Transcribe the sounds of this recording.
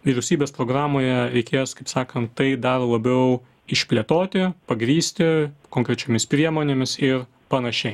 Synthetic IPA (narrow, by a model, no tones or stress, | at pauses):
ʋʲiɾʲɛʊsʲiːbʲeːspɾoːɡɾɑːmoːjɛɾʲɛɪkʲeːskɐɪpsɑːkɐnt̪t̪ːɐɪd̪ɐɾlˠɐbʲɛʊ | ɪʃʲpʲlʲiːt̪oːt̪ʲɪpɐɡɾʲiːsʲt̪ʲɪkoːŋkɾʲɛt͡ʃʲomʲɪspʲɾʲiɛmoːnʲeːmʲɪsɪɾ | pɐnɐʃʲɛɪ